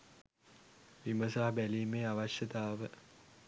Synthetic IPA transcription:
ʋiməsaɦbæliːmeːaʋaʃjɐt̪aːʋə

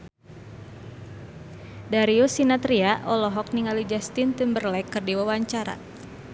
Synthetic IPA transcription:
daɾiusinat̪ɾiaʔɔlɔɦɔk̚niŋalid͡ʒast̪int̪umbərlɛkːɨrdiwawaɲt͡ʃaɾa̰

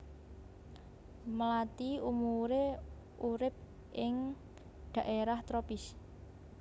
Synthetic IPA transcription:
məlat̪iumuɾe | ʔuɾɪp̚ | ʔɪŋ | ɖ̪̥a̤ʔeɾaht̪ɾopɪs

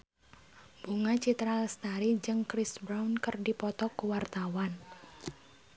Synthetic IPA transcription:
b̥uŋat͡ʃit̪ɾaləst̪aɾid͡ʒɨŋkɾisbɾawnkərdipɔt̪ɔkuwart̪awan

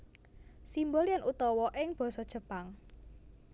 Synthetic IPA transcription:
simbɔljanʔut̪ɔwɔʔɪŋb̥ɔ̤sɔd̥ʒ̥ə̤paŋ

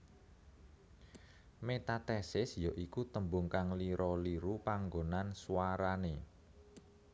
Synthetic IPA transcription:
met̪at̪ɛsɪsjoʔikut̪əmbʊŋkaŋliɾʔɔliɾupaŋɡonansuwaɾane

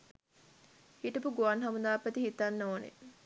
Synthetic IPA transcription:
hiʈəpuɡuʋanɦamund̪aːpːət̪ihit̪anːoːnḛ

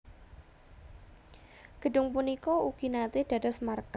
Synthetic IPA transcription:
ɡ̥ə̤ɖʊŋpunikɔuɡ̥inat̪ɪd̥a̤dɔsmark

